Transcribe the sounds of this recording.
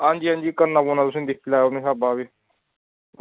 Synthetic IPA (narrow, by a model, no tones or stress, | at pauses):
ãːnd͡ʒiːɦãːnd͡ʒiːkəɾnaːboːnaːt̪ʊsẽːd̪ɪkʰːlaːonẽːsaːbaːʋeː